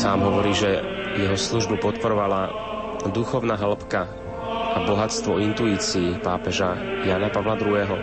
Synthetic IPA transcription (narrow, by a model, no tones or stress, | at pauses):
saːmɦɔʋɔɾiːʒɛjɛɦɔsluʒbupɔt̪pɔɾɔʋala | d̪uxɔʊnaɦl̩pka | ʔabɔɦat͡st̪ʋɔint̪uiːt͡siːpaːpɛʒajaːnapaʋlad̪ɾuɦɛːɦɔ